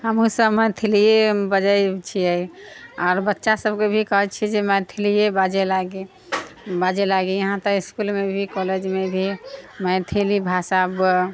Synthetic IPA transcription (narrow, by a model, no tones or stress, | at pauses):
ɦəmũsəmət̪ʰelijebəd͡ʒəjt͡ʃʰiə | aːɾbətːʃasəbkebʱikəɦɛt͡ʃʰid͡ʒemət̪ʰelijebad͡ʒelaɡi | bad͡ʒelaɡijəɦãt̪ɔiskulmebʱikɔled͡ʒmebʱimət̪ʰelibʱasab